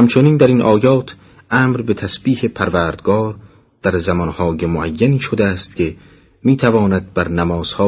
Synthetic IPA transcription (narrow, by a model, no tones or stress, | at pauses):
hæmt͡ʃʰoniːnd̪æɾiːnʔɒːjɒːt̪ʰ | ʔæːmɾbet̪ʰæsb̥iːhe̞pʰæɾvæːɾd̪ɡɒːɾ | d̪̥æɾzæmɒnhɒːjemoʔæjːæniːʃod̪eæːst̪kʲʰe̞ | miːt̪ʰævɒːnæd̪̚bæɾnæmɒːz̥hɒː